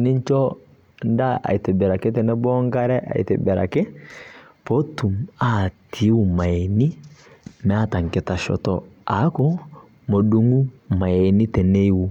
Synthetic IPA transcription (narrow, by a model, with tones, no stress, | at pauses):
ni˦ɲt͡ʃɔ˦ | nda˦a̰˨i˨te˨bɛ˨ɾa˨ke˦tɛ˨nɛ˦bɔ˦ŋɡa˦ɾɛ˦ʔa̰˨ḭ˨te˨bɛ˨ɾa̰˨ke˦ | po˦tu˨ma˨˦tʰi˨˦wu˦˨ma˨e˨ni˦mɛ˨˦a˦ta˨ŋke˨ta˨ʃɔ̰˨tɔ̰a˨˦kɔ˦ | mo˨du˦ŋu˦ma˨e˨ni˦tɛ˨ne˦i˦wu˦